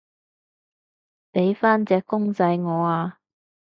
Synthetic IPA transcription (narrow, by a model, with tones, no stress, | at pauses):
pe˨˥jfaː˥nt͡sɛː˧kʊ˥ŋt͡sɐ˧jŋɔː˨˧aː˧